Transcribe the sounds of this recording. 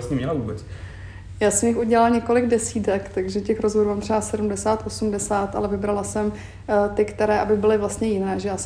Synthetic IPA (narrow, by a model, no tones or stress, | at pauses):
sɲɛmɲɛlavuːbɛt͡s | jaːsɛmjɪxuɟɛlalɲɛkolɪɡdɛsiːt̪ɛkt̪aɡʒɛcɛxɾozɦoɾumaːmt̪r̥ɛbasɛdumdɛsaːt̪ʔo̞sumdɛsaːt̪ʔa̰lɛvɪbɾalasɛm | t̪ɪkt̪ɛɾɛːʔabɪbɪlɪvlast̪ɲɛjɪnɛːʒɛjaːs